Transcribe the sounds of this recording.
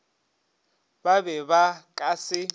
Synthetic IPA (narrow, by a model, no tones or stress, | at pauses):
baβɛβakʼasɪ